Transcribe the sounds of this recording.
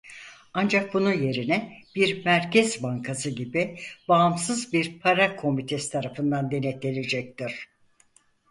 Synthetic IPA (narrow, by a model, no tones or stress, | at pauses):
and͡ʒak̚bunuje̞ɾinɛb̥iɾmæɾcʰɛzbaŋkʰasɯɟibibaːmsɯzbiɾpʰaɾakʰo̞mit̪ʰesi̥t̪ʰaɾafɯnd̪and̪e̞net̪elʲed͡ʒɛc̚t̪iɾ̥